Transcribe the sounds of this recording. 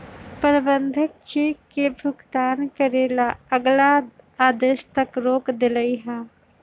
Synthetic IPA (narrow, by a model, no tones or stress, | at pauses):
pəɾbə̃nd̪ʱɪk̚t͡ʃeːkːebʱʊɡt̪aːnkəɾeːlaəɡlaaːd̪eʃt̪ɐkɾoːkd̪ɪləiɦaː